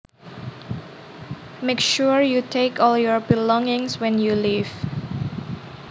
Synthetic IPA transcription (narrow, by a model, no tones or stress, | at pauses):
mekʃuɹjutʰekɔljɔɹbilɔ̃ŋɪ̃ŋswɛ̃njuliv